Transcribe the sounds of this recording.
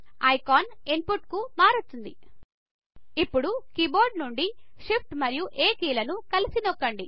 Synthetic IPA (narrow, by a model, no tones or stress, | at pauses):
ɐjkaːninpuʈkumaːɾut̪ːund̪i | ipːuɽukiboːɾɖ̚nuɳɖiʂip̚ʰʈmɐɾijuʔeːkiːlɐnukɐlisinɔkːɐɳɖi